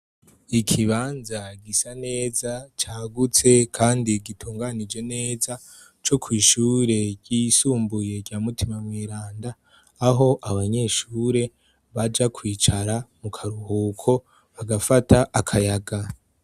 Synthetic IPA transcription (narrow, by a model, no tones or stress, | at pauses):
ikʰiβaːnzaɡisane̞ːzat͡ʃaːɡut͡se̞kʰaːndiɡitʰuːŋɡanid͡ʒe̞ne̞ːza | t͡ʃo̞kʰwiːʃuːɾe̞ɡɟisuːmbuje̞ɡɟaːmutimamwiːɾaːndaː | ɦo̞ʔaβaɲe̞ʃuːɾe̞ | βad͡ʒakʰwiːt͡ʃaɾamukʰaɾuhuːkʰo̞ | βaɡafatʰaʔakʰajaɡa